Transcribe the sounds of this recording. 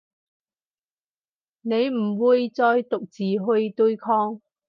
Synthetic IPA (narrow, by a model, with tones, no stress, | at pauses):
ne˨˧jm̩˨˩wuː˨jt͡sɔː˧jt̪ʊ˨k̚t͡siː˨˩ɦɵ˧ɥt̪ɵ˧jkʰɔː˥ŋ